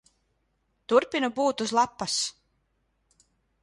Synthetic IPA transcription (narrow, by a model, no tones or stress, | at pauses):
t̪uɾpʲinubuːt̪uzlˠapːas